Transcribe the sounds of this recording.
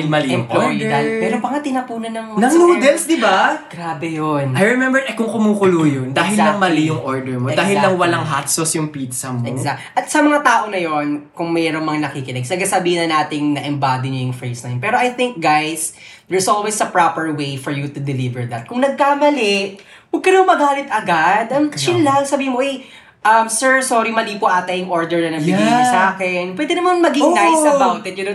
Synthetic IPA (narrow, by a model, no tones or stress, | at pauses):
mɐlɛmplojd̪ɐmɛɾoŋpɐŋat̪ɪnɐpuːnɐnɐŋnɐŋlud̪ɛlsd̪ɪbaɡ̥ɾaːbɛjonɐjɹɛmɛmbɛɹʔɐkʊŋkʊmuːkʊluːjond̪aːɦɪlɐŋmɐlɪjʊŋʔoɹd̪ɛɹmodaːɦɪlnɐŋwɐlaŋɦat̪sosjʊŋpiːt̪sɐmoɛɡzakʔɐt̪̚sɐmɐŋat̪aːʔo̞nɐjonkʊŋmɛːɾoŋmɐŋanɐkikɪnɛɡ̚sɐɡasɐbiːhɪnɐnaːt̪ɪŋnɐʔɛmbaːd̪iɲɐjʊŋfɹɛsnɐjnpɛːɾoʔɐjθɪŋk̚ɡajs | d̪ɛɹsʔolwɛsɐpɹapɛɹwejfɔɹjut̪ʊd̪ɛlivɛɹd̪ɐt̪̚kʊŋnɐɡ̚kaːmɐlɛ | wɐɡ̚kɐnɐmomɐɡaːlɪt̪ʔɐɡad̪ɐmt͡ʃɪnlɐŋsɐbiːhɪnmoʔɛj | ʔɐmsɛɹsoːɾimɐliːpoʔaːt̪ɐjʊŋʔoɹd̪ɛɹnɐnɐɡbɪɡilɐsaːkɛnpwɛːd̪ɛnɐmanmɐɡɪŋɡajɐbawt̪ɛt̪jʊno